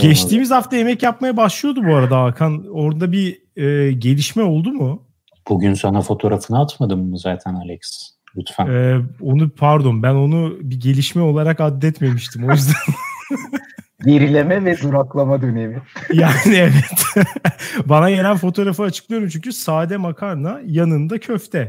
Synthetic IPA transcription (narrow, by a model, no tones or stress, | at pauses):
ɟɛt͡ʃt̪ʰiːmizhaft̪ʰaje̞mɛcjapmajabaʃlˠɯjo̞d̪ubuaɾad̪aːkʰano̞ɾd̪d̪abi | ɛːɟe̞lʲiʃmɛo̞lˠd̪umʊ | b̥uɟynsanafo̞t̪ʰo̞ɾafɯnaat̪mad̪ɯmːzaːt̪ʰænalʲɛks | lʲut̪fænɛːo̞nupʰaɾd̪o̞nbæno̞nubiɟe̞lʲiʃmɛo̞lˠaɾakad̪ːɛt̪me̞miʃt̪ʰimo̞jyzd̪an | ɟe̞ɾilʲe̞mɛvɛzuɾaklˠamad̪ønemijaːnievɛt̪ | banaɟe̞lʲænfo̞t̪ʰo̞ːɾafɯat͡ʃʰɯk̚lˠijo̞ɾumt͡ʃʰyɲcʰysaːd̪ɛmakʰaɾnajanɯnd̪acʰøft̪ʰɛ